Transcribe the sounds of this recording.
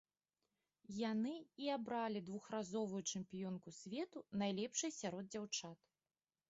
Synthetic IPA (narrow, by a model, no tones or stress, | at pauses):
janɨiabɾalʲid̪vuxrazɔvujut͡ʂɨmpʲijɔnkusʲvʲɛt̪unajlʲɛpʂɨjsʲaɾɔd̪̚d͡zʲawt͡ʂat̪